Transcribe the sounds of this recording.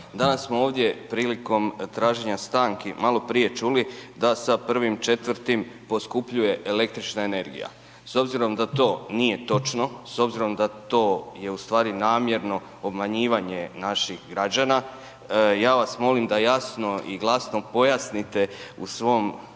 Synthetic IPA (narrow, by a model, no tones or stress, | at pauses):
d̪anasːmooːʋd̪ʲje̞pɾiːliko̞mt̪ɾaːʒe̞ɲast̪aːŋkimalo̞pɾije̞t͡ʃulid̪asapr̩ʋimt͡ʃe̞t̪ʋɾt̪impo̞skupʎuje̞ʔele̞k̚t̪ɾit͡ʃnaene̞ɾɡḭja̰ | so̞bziɾo̞md̪at̪o̞ːnije̞t̪o̞t͡ʃno̞so̞bziɾo̞md̪at̪o̞ːje̞ust̪ʋaːɾinaːmje̞ɾno̞ | obmaɲiːʋaɲe̞naʃixɡɾad͡ʑana | jaːʋasmo̞limd̪ajasno̞iɡlˠasno̞po̞jasnit̪e̞usʋo̞m